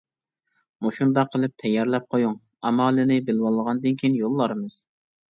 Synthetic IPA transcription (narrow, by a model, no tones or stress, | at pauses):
muʃund̪ɑqʰːəlˠɨp̚t̪ʰɛjːɑɾlɛp̚qʰojuŋ | ɑmɑːlˠɨnɪbɪlwɑlˠːəʁɑnd̪ɨnkʲʰijinjolˠːɑɾɨmɨz̥